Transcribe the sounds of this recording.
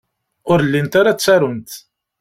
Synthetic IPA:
ʊɾlːint̪aɾat͡sːæɾʊnt̪

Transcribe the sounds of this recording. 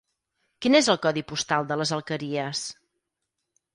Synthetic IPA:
kinezəlˠkɔðipust̪alˠd̪ələzəlˠkəɾiəs

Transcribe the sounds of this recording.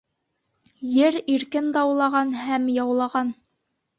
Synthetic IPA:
jɘɾiɾkɘnd̪ɑwlˠɑʁɑnhæmjɑwlˠɑʁɑn

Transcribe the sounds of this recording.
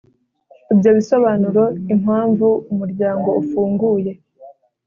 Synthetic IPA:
ibjo̞βiso̞βanuɾo̞iŋ̥haːɱvuumuɾɟaːŋɡo̞ufuːŋɡuːje̞

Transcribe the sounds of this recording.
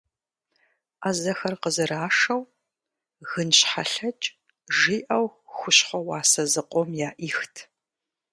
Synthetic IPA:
azɐxɐrqəzɨɾaːʂɐw | ɣɨnɕħa̰ɬɐt͡ʃʼ | ʒiːʔɐwxʷʊɕχʷɔwɑːsɐzɨqʷʼɔmjaːʔiːxtʰ

